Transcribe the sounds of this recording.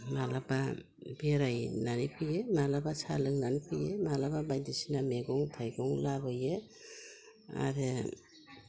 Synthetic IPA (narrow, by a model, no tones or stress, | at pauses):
malaba | beɾajnanipʰɯjemalabasa̰lɯŋnanipʰɯjemalababajdɯsinameɡɔŋtʰajɡɔŋlabɯje | a̰ɾɯ